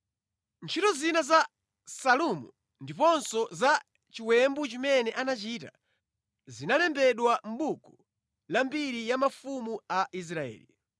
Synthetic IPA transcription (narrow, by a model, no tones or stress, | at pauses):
nt͡ʃʰitɔzinaza | salumṵ | ndipɔnsɔza | t͡ʃiwɛmbut͡ʃimɛnɛʔanat͡ʃiːta̰ | zinalɛmbɛɗwam̩ɓuku̥ | lambiɾijamafumuaʔis̬ɾaɛ̰ːli